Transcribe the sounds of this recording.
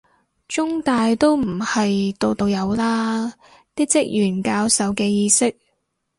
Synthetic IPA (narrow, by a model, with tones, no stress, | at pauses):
t͡ʃʊ˥ŋt̪aː˨jt̪o˥wm̩˨˩hɐ˨jt̪o˨˧wt̪o˧wjɐ˨˧wlaː˥ | t̪iː˥k̚t͡sɪ˥k̚jyː˨˩nkaː˧wsɐ˨˧wkɛː˧jiː˧sɪ˥k̚